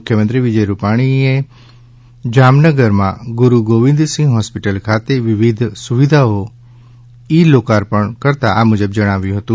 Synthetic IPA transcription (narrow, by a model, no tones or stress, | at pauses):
kʰjəmənt̪ɾiʋɪd͡ʒəjɾupaɽ̃ie | d͡ʒamnəɡəɾmã̰ɡʊɾuɡoʋɪ̃nd̪sĩŋɡɦɔspiʈəlkʰat̪eʋɪʋid̪ʱsuʋid̪ʱao | ilokaɾpəɳkəɾt̪aʔamʊd͡ʒəbd͡ʒəɽ̃aʋjũɦət̪ũ